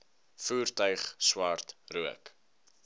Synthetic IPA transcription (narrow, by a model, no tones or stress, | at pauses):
fuːrtœɥχswɐrtruək